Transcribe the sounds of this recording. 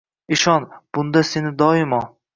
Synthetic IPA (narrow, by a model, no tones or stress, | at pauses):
ɪʃɒnb̥ʊnd̪ase̞nɪd̪ɒɪmɒ